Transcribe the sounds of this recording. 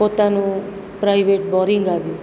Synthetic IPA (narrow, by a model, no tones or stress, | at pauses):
pot̪anũ | pɾajʋeʈbɔɾiŋɡaʋjũ